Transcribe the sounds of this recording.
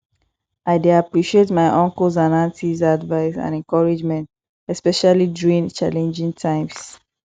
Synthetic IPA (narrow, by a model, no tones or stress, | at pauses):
ʔaɪdeapɹiʃietmaɪʔɔ̃ŋkəzanãntizadvaɪsã̰nɛ̃nkɔɹid͡ʒmɛ̃nt | ɛspɛʃaliduɹĩnt͡ʃalɛ̃nd͡ʒĩŋtʰãɪ̃ms